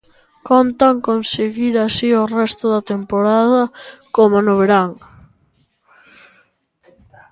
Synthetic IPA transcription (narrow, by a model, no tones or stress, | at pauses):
kont̪ɐŋkonseɣiɾasiʊrɛst̪ʊðɐt̪empoɾaðɐkomonʊβ̞eɾaŋ